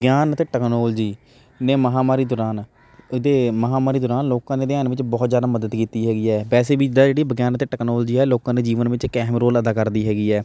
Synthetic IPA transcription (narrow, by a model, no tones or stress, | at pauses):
bəɡjaːnət̪eːʈəknoːld͡ʒiː | neːməɦaːmaːɾiːd̪ɔɾaːn | d̪eːməɦaːmaːɾiːd̪ɔːɾaːnloːkãːd̪eːd̪ɪaːnʋɪt͡ʃbɔːt̪zjaːd̪aːməd̪əd̪kiːt̪iːɦɛːɡiːɛːbɛːseːbiːt͡ʃd̪aːd͡ʒeːɽiːbəɡjaːnt̪eːʈəknoːld͡ʒiːɛːloːkãːd̪eːd͡ʒiːʋənʋɪt͡ʃkɛːmɾoːləd̪aːkəɾd̪iːɦɛːɡiːɛː